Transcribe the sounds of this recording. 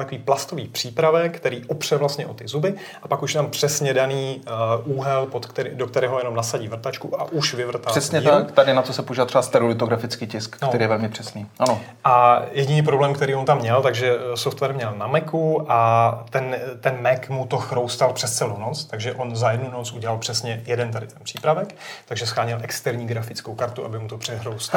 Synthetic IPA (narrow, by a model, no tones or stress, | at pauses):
lt̪akoviːplast̪o̞viːpr̝̥iːpɾavɛkt̪ɛɾiːʔopr̝̥ɛvlast̪ɲɛʔot̪ɪzubɪ | ʔapakuʃjɛt̪ampr̝̥ɛsɲɛdaniːʔuːɦɛlpot̪kt̪ɛɾidokt̪ɛɾɛːɦojɛno̞mnasaɟiːvr̩t̪at͡ʃkuʔaʔuʃvɪvr̩t̪arl̥ɛsɲɛt̪akt̪adɪnat̪osɛpouʒivat̪rɛbast̪ɛɾolɪt̪oɡɾafɪt͡skiːcɪskːt̪ɛɾijɛvɛlmɪpr̥ɛsniːʔano | ʔajɛɟɪniːp̬ɾo̞blɛːmkt̪ɛɾiːont̪amːɲɛlt̪aɡʒɛsoft̪vɛɾmɲɛlnamɛkuʔat̪ɛnt̪ɛnmɛkmut̪o̞xɾowst̪alpr̥ɛst̪t͡sɛlownot͡st̪aɡʒɛʔonzajɛdnunot͡sʔuɟɛlalpr̥ɛsɲɛjɛdɛnt̪adɪt̪ɛnpr̥iːpɾavɛkt̪aɡʒɛsxɾaːɲɪlʔɛkst̪ɛɾɲiːɡɾafɪt͡skowkaɾt̪uʔabɪmut̪opr̥ɛɦɾowst̪a